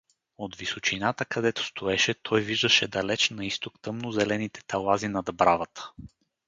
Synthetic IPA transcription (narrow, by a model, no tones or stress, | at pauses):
ot̪visot͡ʃinat̪əkɐd̪ɛt̪o̥st̪ʰʊɛʃɛt̪ʰɔjviʒd̪əʃɛd̪ɐlɛt͡ʃnɐist̪okt̪ɤmnozɛlɛnit̪ɛ̥t̪ʰɐlˠazinɐd̪bɾavət̪ə̥